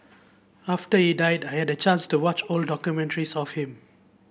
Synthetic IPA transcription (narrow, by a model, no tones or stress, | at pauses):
aftəhidaɪdajhɛdət͡ʃãnstuwɔt͡ʃɔldɔkjumɛ̃ntəɹisɔfhĩm